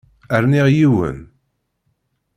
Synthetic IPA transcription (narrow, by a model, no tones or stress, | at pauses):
əɾniʁjiwə̰n